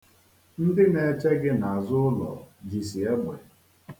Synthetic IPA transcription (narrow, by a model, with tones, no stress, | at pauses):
n̩˦dɪ˦ne˨t͡ʃe˦ɡɪ˦na˨a˨zʊ˦ʊ˦lɔ̰˨d͡ʒi˨si˨e˦ɡ͡be˨